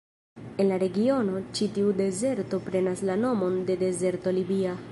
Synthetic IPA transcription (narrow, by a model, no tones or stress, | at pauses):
e̞nlaɾe̞ɡio̞no̞t͡ʃitiude̞ze̞ɾto̞pɾe̞naslano̞mo̞nde̞de̞ze̞ɾto̞libia